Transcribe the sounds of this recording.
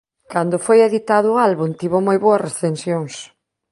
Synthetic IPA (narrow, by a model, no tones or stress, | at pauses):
kand̪ʊfojeðit̪aðʊːalβunt̪iβomojβoɐsresθensjoŋs